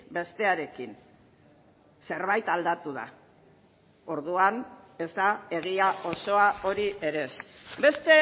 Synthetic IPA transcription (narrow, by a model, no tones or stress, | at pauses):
be̞st̪e̞aɾe̞kin | se̞ɾβajt̪ald̪at̪uða̰ | o̞ɾðuane̞zd̪ae̞ɣ̞iaʔo̞so̞ao̞ɾie̞ɾe̞sbe̞st̪e̞